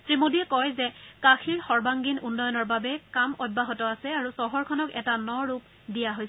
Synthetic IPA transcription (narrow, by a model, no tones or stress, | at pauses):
tɹimodiɛkɔjzɛkaxʰiɹxɔɹbaŋɡinunːɔjɔnɔɹbabɛkamɔd̚baɦɔtɔasɛaɹusɔɦɔɹkʰɔnɔkɛtanɔɹup̚ | dijaɦojs